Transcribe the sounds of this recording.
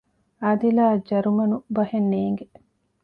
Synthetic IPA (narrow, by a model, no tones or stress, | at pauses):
ɐd̪ilaːd͡ʒɐɾumɐnubɐhenːeːŋɡe